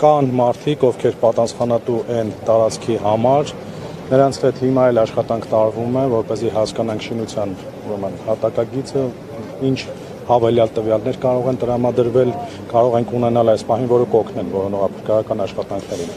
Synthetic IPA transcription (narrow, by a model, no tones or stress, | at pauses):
kɑnmɑɾt̪ʰikɔvkʰɛɾpɑt̪ɑsχɑnɑt̪uʔɛnt̪ɑɾɑt͡sʰkʰiɦɑmɑɾ | nəɾɑnt͡sʰhɛt̪himɑɛlɑʃχɑt̪ɑŋkʰt̪ɑɾvumɛvɔɾpɛzihɑskɑnɑŋkʰʃinut͡sʰjɑn | uɾɛmənhɑt̪ɑkɑɡit͡sə | int͡ʃʰ | hɑvɛljɑlt̪əvjɑlnɛɾkɑɾɔʁɛnt̪əɾɑmɑd̪əɾvɛl | kɑɾɔʁɛŋkʰunɛnɑlɑjspɑhinvɔɾəkɔkʰnɛnvɔɾənɔʁɑpʰəɾkɑɑkɑnɑʃχɑt̪ɑŋkʰnɛɾin